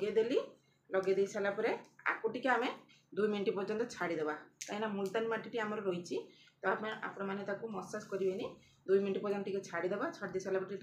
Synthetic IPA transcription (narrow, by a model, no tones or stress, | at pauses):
ɡed̪eli | lɔɡed̪ejisʰalapɔɾea̰kuʈikeame | d̪ujminʈipɔɾd͡ʒɔnt̪ɔt͡ʃʰaɽid̪ebat̪aĩnamult̪animaʈiʈiamɔɾɔɾojt͡ʃʰit̪ɔapea̰pɽɔmanet̪akumɔsaskɔɾibeni | d̪ujminʈipɔɾd͡ʒɔnt̪ɔʈiket͡ʃʰaɽid̪ebat͡ʃʰaɽid̪esʰalapɔɾʈi